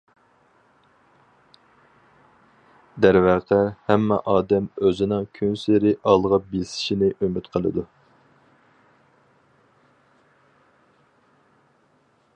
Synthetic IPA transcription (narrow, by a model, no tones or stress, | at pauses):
d̪æɾvæqʰɛhɛmːɛ̰ʔɑːd̪ɛmøzɪnɪŋkʲʰynsɾɪʔɑlˠʁɑpbisɪ̥ʃinɪʔømyt̪qʰəlˠɨ̰d̪u